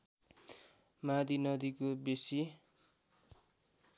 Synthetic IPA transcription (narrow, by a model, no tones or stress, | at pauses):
mad̪inʌd̪ikobesi